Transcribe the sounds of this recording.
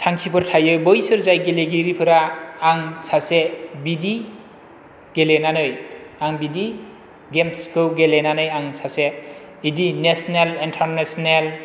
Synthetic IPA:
tʰaŋsʰipʰɯɾtʰajɯjbɔjsɯɾzajɡeleɡiɾipʰɯɾaːŋsʰasebidi | ɡ̥elenanɯjaŋbidi | ɡemskɯwɡelenanɯjaŋsʰase | idinesnelintʰaɾnesnel

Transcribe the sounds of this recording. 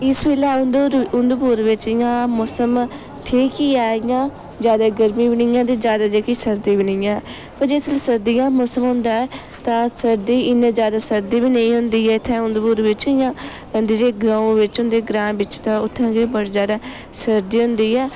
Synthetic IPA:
ɪsbeːlaːʊd̪ʊnd̪puːɾʋɪt͡ʃɪjãːmoːsəm | t̪ʰeːkiːaːɪjãː | d͡ʒjaːd̪aːɡəɾmĩːbɪɳijãːt̪eːd͡ʒjaːd̪aːd͡ʒeːkiːsəɾd̪iːbɪnɪjãː | pəɾd͡ʒeːslsəɾd̪ijãːmoːsəmɦʊ̃nd̪aːɛː | t̪ãːsəɾd̪iːɪnẽːd͡ʒjaːd̪aːsəɾd̪iːbiːnẽːĩːɦʊnd̪iːɛːɪt̪ʰːɛ̃ːʊnd̪puːɾʋɪt͡ʃɪjãː | nd̪iːɾeːɡɾãːõʋɪt͡ʃʊnd̪eːɡɾãːbɪt͡ʃt̪ãːʊt̪ʰːãːɡeːbəɽzjaːd̪aː | səɾd̪iːɦʊ̃nd̪iːɛː

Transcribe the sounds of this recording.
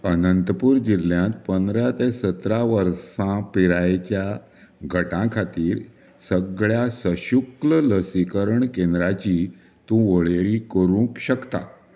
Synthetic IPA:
ənənt̪əpuːɾd͡ʑilːjãt̪pənd̪ɾat̪esət̪ɾaʋəɾsãpiɾajt͡ɕja | ɡʱəʈãkʰat̪iːɾ | səɡɭjasəɕuklələsikəɾəɳkẽnd̪ɾat͡ɕi | t̪ũʋəɭeɾikəɾũkɕəkt̪a̰

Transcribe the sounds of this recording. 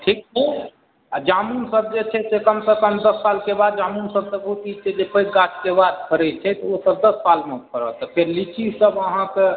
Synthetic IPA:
ʈʰik̚o | d͡ʒamunsəb̚d͡ʒet͡ʃʰɛsekəmsekəmd̪əsːalkebad̪̚d͡ʒamunsəb̚səbʱut̪it͡ʃʰɛd͡ʒepʰəiɡat͡ʃkebad̪pʰəɾɛt͡ʃʰɛt̪ɔosəb̚d̪əssalmeut̪kəɾə̰t̪ɔpʰeɾlit͡ʃisəbəɦãke

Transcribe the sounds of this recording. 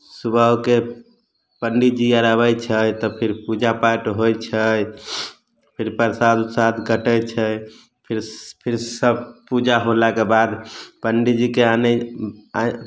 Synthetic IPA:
subʱəwke | pəɳɖid͡ʒiaɾaβəjt͡ʃʰəjt̪ɔpʰiɾpud͡ʒapaʈɦojt͡ʃʰəj | pʰiɾpəɾsad̪usad̪ɡəʈəjt͡ʃʰəj | pʰiɾpʰiɾsəbpud͡ʒaɦolakebad̪pəɳɖid͡ʒikeanɛ

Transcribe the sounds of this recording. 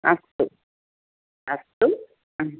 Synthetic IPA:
ɐst̪u | ɐst̪u

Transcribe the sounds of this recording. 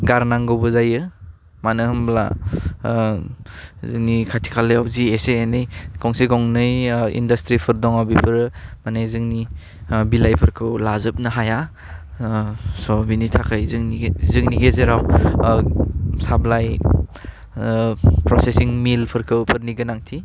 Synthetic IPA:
ɡaɾnaŋɡɯwbɯzajɯ | manɯhɯmbla̰ | zɯŋnikʰatʰi̥kʰalɯjawzieseːnɯjɡʰɔŋsiɡɔŋnɯjḭndɐstɾipʰɯɾdɔŋawbipʰɯɾmanejzɯŋni | bilajpʰɯɾkʰɯwlazɯp̚nɯɦaja | sɔbinitʰakʰajzɯŋnizɯŋniɡezeɾaw | sablaj | pɾɔsesiŋmilpʰɯɾkʰɯwpʰɯɾniɡɯnaŋtʰi

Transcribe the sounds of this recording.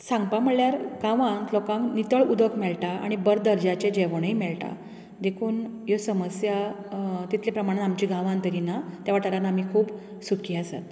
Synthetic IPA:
sãŋɡpaməɭjaɾɡãʋãŋklɔkãŋknit̪əɭud̪ʱəkmɛɭʈaa̰ɽ̃ibəɾd̪əɾd͡ʑat͡ɕẽd͡ʑeʋɳəimɛɭʈa̰ | d̪ekʰuːnjosəməsjat̪it̪ʰljepɾəmaɽ̃t̪amt͡ɕiːɡʱãʋãnt̪əɾinat̪jaʋaʈaɾanaam̤iːkʰuːb | sukʰiːasa̰t̪̚

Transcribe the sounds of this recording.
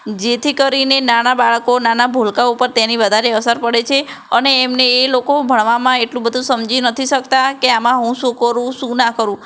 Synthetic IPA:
d͡ʒet̪ʰikəɾinenanabaɭkonanabʱolkaupəɾt̪eniʋəd̪ʱaɾeəsəɾpəɽet͡ʃʰeəneːmneːlokobʱəɭʋamãeʈlũbəd̪ʱũsəmd͡ʒinət̪ʰiʃəkt̪akeamãɦũʃũkəɾũʃũnakəɾũ

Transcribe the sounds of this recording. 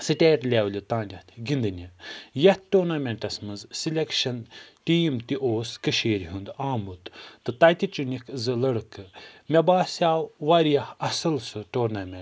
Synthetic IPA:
sɨʈʲeːʈlʲaːwlʲit̪ãːndʲɐt̪ʲʰɡind̪ɨnʲijɐt̪̚ʰʈuːɾnamʲeɳʈɐsmɐnzsilʲekʃɐnʈiːmt̪iʔoːskɨʃeːɾɦund̪aːmut̪t̪ɨt̪ɐt̪ʲit͡ʃunʲikʰzɨlɐɽɨkɨmʲɐbaːsjaːwʋaɾjɐhɐsɨlsɨʈoːɾnamʲẽɳ

